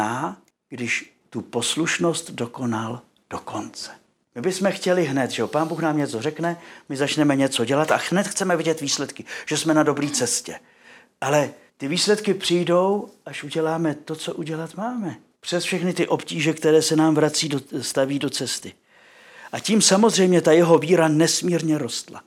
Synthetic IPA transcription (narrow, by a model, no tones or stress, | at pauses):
aː | ɡ̥dɪʃ | t̪upo̞sluʃno̞st̪do̞ko̞nal | d̥oko̞nt͡sɛ̥ | mɪbɪsmɛxcɛlɪɦnɛt̪ʒɛopaːnbuːxnaːmɲɛt͡so̞rɛknɛmɪzat͡ʃnɛmɛɲɛt͡so̞ɟɛlat̪a̰nɛt̪xt͡sɛmɛvɪɟɛt̪viːslɛt̪kɪʒ̥ɛsmɛnado̞bɾiːt͡sɛscɛ | ʔalɛ | t̪ɪviːslɛt̪kɪpr̝̥ɪjdo̞wʔaʃʔuɟɛlaːmɛt̪o̞t͡so̞ʔuɟɛlat̪maːmɛ | pr̝̥ɛsfʃɛxnɪt̪ɪʔo̞pciːʒɛkt̪ɛɾɛːsɛnaːmvɾat͡siːdost̪aviːdo̞t͡sɛst̪ɪ | ʔaciːmsamozr̝ɛjmɲɛt̪ajɛɦo̞viːɾanɛsmiːɾɲɛɾo̞st̪la̰